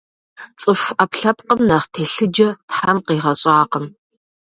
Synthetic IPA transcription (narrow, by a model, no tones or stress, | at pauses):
t͡sʼɨʃʷʔɐpɬɐpqəmnɐʁtʰeːɬɨd͡ʒɐtħamqiːʁɐɕʼaːqəm